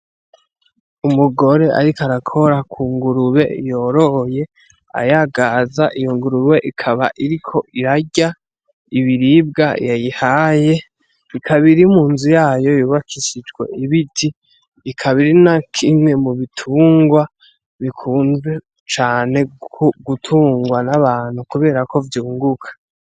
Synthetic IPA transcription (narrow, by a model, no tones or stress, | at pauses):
umuɡo̞ɾe̞ʔa̰ɾikaɾakʰo̞ɾakʰuːŋɡuɾuβe̞̰jo̞ɾo̞hje̞ | a̰jaɡazaʔijoŋɡuɾuβe̞ʔikʰaβa̰ʔiɾikʰo̞ʔiɾaɟa | iβiɾib̚ɡajajihaːje̞ | ikʰaβiɾimuːnzujaːjo̞juːβakʰiʃid͡ʒɡwe̞̰iβitʰiː | kʰaβiɾinakʰimŋe̞muβitʰuːŋɡwa | βikʰuːnze̞ | t͡ʃaːne̞koɡutʰuːŋɡwanaβaːn̥hukuβe̞ːɾako̞vjuːŋɡukʰḁ